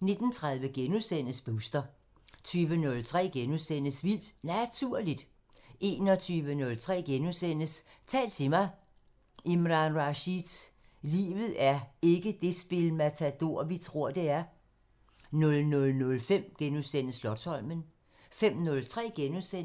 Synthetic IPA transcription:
ne̝d̥n̩t͡sʰʁäð̞ˠʋəɡ̥enusen̰əsb̥uːsd̥ɐ | t͡sʰyːʋənɔ̽lt͡sʰʁɛ̰ːɡ̥enusen̰əsʋil̰d̥næt͡sʰuɐ̰lid̥ | ʔe̝ːnɒ̽t͡sʰyːʋənɔ̽lt͡sʰʁɛ̰ːɡ̥enusen̰əst͡sʰɛ̰ːlt͡sʰe̝mɑ̈ɪ | ʔemʁɑ̈nʁɑɕid̥ | lḭːʋð̩ˠæɐe̝ɡ̥əd̥e̝sb̥e̝lmæt͡sʰæd̥o̝ɐ̰ʋit͡sʰʁo̝ɐ̰d̥e̝æɐ | nɔ̽lnɔ̽lnɔ̽lfem̰ɡ̥enuðˠsen̰əslɒd̥sɒ̽l̰mən | fem̰nɔ̽lt͡sʰʁɛ̰ːɡ̥enuðˠsen

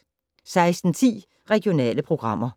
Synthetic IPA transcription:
sɑ̈ɪsd̥n̩t͡sʰḭː | ʁɛɡ̥jo̝nɛ̰ːləpʰʁo̝ɡ̥ʁɑ̈m̰ɐ

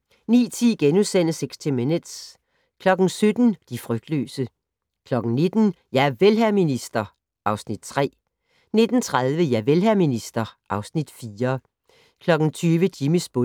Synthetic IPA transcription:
nḭːt͡sʰiɡ̥enusen̰əseɡ̥st͡sʰemend̥s | kʰlɒ̽ɡ̥n̩sød̥n̩d̥ifʁœɡ̥̚d̥lø̰ːsə | kʰlɒ̽ɡ̥n̩ne̝d̥n̩jæʋelɦæɐminisd̥ɐ | ʔɑ̈ʊsnid̥t͡sʰʁɛ̰ː | ne̝d̥n̩t͡sʰʁaðˠʋəjæʋelɦæɐ̰minisd̥ɐʔɑ̈ʊsnid̥fiːɐ | kʰlɒ̽ɡ̥n̩t͡sʰyːʋədiməsb̥o

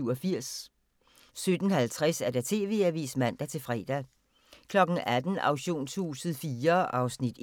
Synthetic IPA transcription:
ɒfiɐ̰s | sød̥n̩hælt͡sʰʁasæɐd̥æt͡sʰe̝ːʋe̝ːæɐʋḭːsmæn̰d̥æt͡sʰe̝lfʁɛ̰ːd̥æ | kʰlɒ̽ɡ̥ŋ̩æd̥n̩ɑ̈ʊɕo̝̰ːnsʰṵːsð̩ˠfiːɐʔɑ̈ʊsnid̥

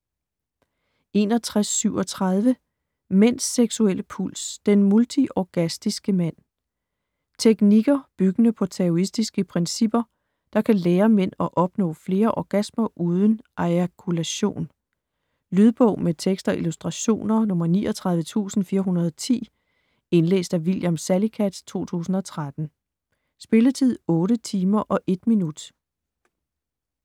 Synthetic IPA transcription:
e̝ːnɒ̽t͡sʰʁasːyʊ̰ɒ̽t͡sʰʁɑð̞ˠʋə | men̰sːeɡ̥suel̰əpʰul̰sd̥enmult͡sʰiʔɒɡ̥æsd̥isɡ̥əmæn̰ | t͡sʰeɡ̥niɡ̥ɐb̥yɡ̥ənəpʰɒ̽t͡sʰeɔisd̥isɡ̥əpʰʁɛnsib̥ɐ | d̥ɑ̈kʰæleːɐmen̰ɒ̽ʔɒ̽b̥nɔ̰̽ːfle̝ːɐʔɒɡ̥æsmɐʔuːðˠən̩ʔɑɪkʰulæɕo̝̰ːn | lyð̞ˠb̥ɔ̽ʊ̰met͡sʰeɡ̥sd̥ɒ̽ʔilusd̥ʁɑ̈ɕo̝̰ːnɐnɔ̽mɐnḭːʔɒt͡sʰʁɑ̈ð̞ˠʋət͡sʰṵːsn̩fiːɐɦunɐð̞̩ˠɒt͡sʰḭː | e̝nlḛːsd̥æʋiljɑmsælikʰæd̥t͡sʰo̝̰ːt͡sʰṵːsn̩ɒ̽t͡sʰʁad̥n̩ | sb̥e̝lət͡sʰið̰ˠɔ̽ːɾət͡sʰiːmɐʔɒ̽ʔe̝d̥minud̥

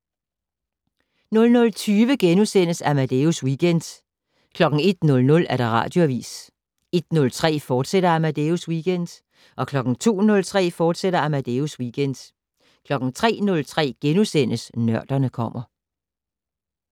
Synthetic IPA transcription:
nɔ̽lnɔ̽lt͡sʰyːʋəɡ̥enusen̰əsæmæd̥euswiːɡ̥end̥ | kʰlɒ̽ɡ̥ŋ̩e̝d̥nɔ̽lnɔ̽læɐɾ̥ɑ̈ʁɑ̰̈ːd̥jo̝æʋḭːs | e̝d̥nɔ̽lt͡sʰʁɛ̰ːfɒːd̥seɾ̥ɐæmæd̥euswiɡ̥end̥ | ʔɒ̽kʰlɒ̽ɡ̥ŋ̩t͡sʰo̝̰ːnɔ̽lt͡sʰʁɛ̰ːfɒːd̥seɾ̥ɐæmæd̥euswiɡ̥ʰend̥ | kʰlɒ̽ɡ̥ŋ̩t͡sʰʁɛ̰ːnɔ̽lt͡sʰʁɛ̰ːɡ̥enusen̰əsnɶɐ̰d̥ɐnəkʰɒ̽m̰ɐ

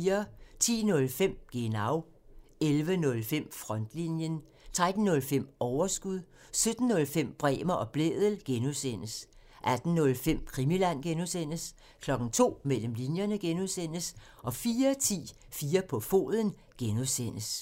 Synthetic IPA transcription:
ɐt͡sʰḭːnɔ̽lfem̰ɡ̥e̝nɑ̈ʊ | elʋənɔ̽lfem̰fʁɒ̽n̰d̥linjən | t͡sʰʁad̥n̩nɔ̽lfem̰ɒʊɐsɡ̥uðˠ | sød̥n̩ːɔ̽lfem̰b̥ʁɛ̰ːmɐʔɒ̽b̥lḛːð̞ˠəl̩ɡ̥enuðˠsen̰əs | ʔæd̥n̩nɔ̽lfem̰kʰʁimilæn̰ɡ̥enusen̰əs | kʰlɒ̽ɡ̥n̩t͡sʰo̝̰ːmel̰əmlinjɐnəɡ̥enuðˠsen̰əs | ʔɒ̽fiːɐt͡sʰḭː | fiːɐpʰɒ̽fo̝̰ːðˠən̩ | ɡ̥enuðˠsen̰əs

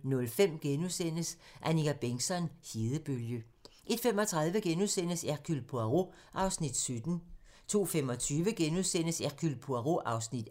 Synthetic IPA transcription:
nɔ̽lfem̰ɡ̥enusen̰əsʔæniɡæb̥eŋsɒ̽nhiːðˠəb̥øljə | ʔe̝d̥fem̰ɒ̽t͡sʰʁað̞ˠʋəɡ̥enusen̰əsækʰylpʰuæʁo̝ | ʔɑ̈ʊsnid̥sød̥n̩ | t͡sʰo̝̰ːfem̰ɒ̽t͡sʰyːʋəɡ̥enusen̰əsækʰylpʰuæʁoʔɑ̈ʊsnid̥

